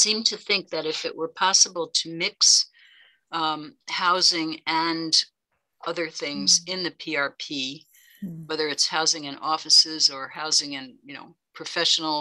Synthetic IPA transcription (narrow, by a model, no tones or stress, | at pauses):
sĩmtʰɨθɪ̃ŋk̚ðɨɾɨfɨ̰ʔwʔə˞pʰɑsəbl̩ˠtʰɨmɪks | haʊzɪ̃ŋɨ̃n | ʌðə˞θɪ̃ŋzɪ̃nðɨpʰiɑɹpʰi | wɛðə˞ɨtshaʊzɪ̃ŋɨ̃nɔfɨsɪzə˞haʊzɪ̃ŋɨ̃njɨno̰ʊ | pʰɹ̥ɨfɛʃn̩l̩ˠ